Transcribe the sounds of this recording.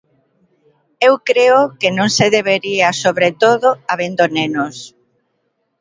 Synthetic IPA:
ewkɾeʊkenõŋseðeβeɾiasoβɾet̪oðoaβend̪onenos

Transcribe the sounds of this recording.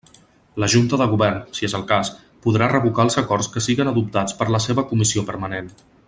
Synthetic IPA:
ləʒunt̪əðəɣ̞uβɛrnsiezəlˠkas | puðɾarəβukaəlˠzəkɔrskəsiɣənəðup̚t̪at͡spəɾləseβəkumisiopəɾmənen

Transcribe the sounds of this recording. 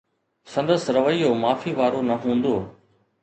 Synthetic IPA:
sɐ̃nd̪əsɾɐʋəiːjomaːfiʋaːɾonɐɦũːn̆d̪oː

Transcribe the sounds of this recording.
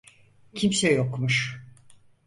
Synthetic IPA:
cʰimsɛjokmuʃ

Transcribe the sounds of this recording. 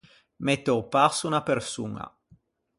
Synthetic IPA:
met̪ːopasunapersṵŋa̰

